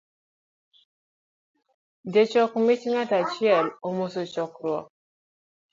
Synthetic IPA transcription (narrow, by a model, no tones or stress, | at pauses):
det͡ʃɔkmit͡ʃŋatat͡ʃiɛlomosot͡ʃɔkɾwɔ